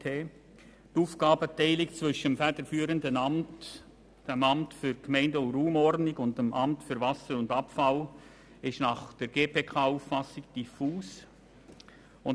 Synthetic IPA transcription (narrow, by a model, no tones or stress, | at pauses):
eː | tuːfkɑːbətɛɪlɪkt͡svʏʃəmfɛdəɾfyːɾəndənɑmt | d̥emɑmtfʏɾkmɛɪndəʊnruːmɔrɾdnɪɡʊntdəmʔɑmtfʏɾvɑsəɾʊndɑpfɑl | ɪʃnɑχd̥əɾɡeːpʰeːkʰɑːuːffɑsɪɡ̚d̥ifuːs | ʊn